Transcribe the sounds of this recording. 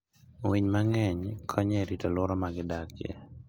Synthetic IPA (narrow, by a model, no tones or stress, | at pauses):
wiɲmaŋɛɲkʰɔɲɛɾitɔlʊɾɔmaɡɪdakjḛ